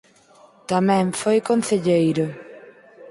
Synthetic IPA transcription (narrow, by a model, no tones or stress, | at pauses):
t̪amɛ̃ŋfojkon̟θeʎejɾʊ